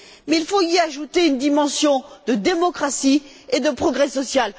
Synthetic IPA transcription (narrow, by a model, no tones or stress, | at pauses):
mɛilfoiaʒut̪eynd̪imɑ̃sjɔ̃d̪əd̪emɔkχasi | ed̪əpχɔɡʁɛsɔsjal